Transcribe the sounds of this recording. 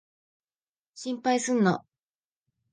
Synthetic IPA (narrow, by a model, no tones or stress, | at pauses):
ɕĩmpaisɨnːo̰